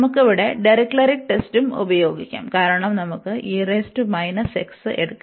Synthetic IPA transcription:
mukːuʋiɽeɖɐɾiklɐɾiʈːe̞stumṵbɐjo̞ːɡikʲːa̰ːmkaːɾɐɳɐmnɐmukːɨʔiːreːstumɐjnɐseksɨʔeɽukː

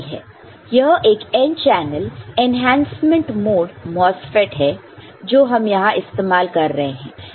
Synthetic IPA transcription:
ɦɛ̰ː | jɐɦʔeːkent͡ʃɛːnəlenɦɛ̃ːnsmə̃ɳʈmoːɖmɔːsfeʈɦɛ | d͡ʒoːɦɐmjɐɦãʔɪst̪eːmaːlkɐɾːɐɦeɦɛ̰̃ː

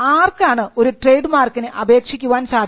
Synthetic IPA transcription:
aːrkaːɳɨo̞ɾuʈrejɖmaːrkːinɨʔɐbe̞ːkʂikʲːuʋaːnsaːd̪

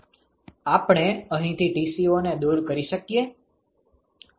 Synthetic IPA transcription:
apɳ̃eəɦĩt̪ʰiʈisioned̪uɾkəɾiʃəkije

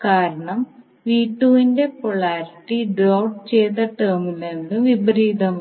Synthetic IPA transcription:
kaːɾɐɳɐm | ʋiːʈːuʋinde̞poɭaːɾiʈːiɖrɐwʈt͡ɕejt̪ːɐʈːeːmilend̪ɨʋibɾiːd̪ɐm

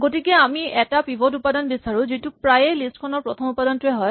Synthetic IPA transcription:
ɡotikɛamiɛtapibʱodupadɔnbisaɹũzitupɹajɛlistkʰɔnɔɹpɹɔt̪ʰɔmupadɔntuɛɦɔj

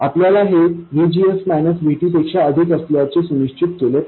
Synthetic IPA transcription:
apljalaɦeʋid͡ʑiesmænəsbʱeʈiːpekʂaəd̪ʱikəsljat͡sesuniɕt͡ɕit̪̚kele

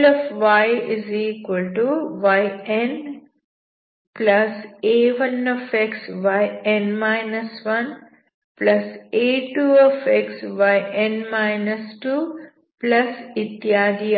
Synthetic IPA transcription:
lɔfʋajiziːkʋɐlʈuʋajen | plɐseːʋɐnɔfeksʋajenmaɪnɐsʋɐn | plɐseːʈuːɔfeksʋajẽnmaɪnɐsʈuː | plɐsit̪jaːd̪i

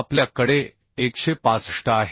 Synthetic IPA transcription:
pljakəɽe | ekɕepasʂʈəaɦ

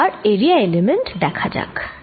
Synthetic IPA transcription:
aɹeɹijaelemenʈd̪ɛkʰad͡ʒa̰k

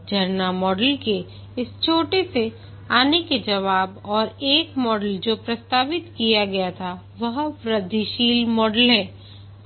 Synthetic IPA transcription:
d͡ʒʱɐɾnamɔːɖəlke | ɪst͡ʃʰoːʈese | aːneked͡ʒɐʋaːbɔːɾeːkmɔːɖəld͡ʒoːpɾɐst̪aːʋɪt̪kijaɡɐjat̪ʰa | ʋɐɦpɾɐd̪ʱiʃiːlmɔːɖəlɦɛ̃ː

